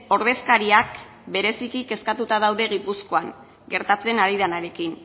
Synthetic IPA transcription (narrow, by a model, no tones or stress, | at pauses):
o̞ɾðe̞skaɾiak | be̞ɾe̞sikike̞skat̪ut̪aðawðe̞ɣ̞ipusko̞aŋ | ɡe̞ɾt̪at͡se̞naɾið̞anaɾe̞kin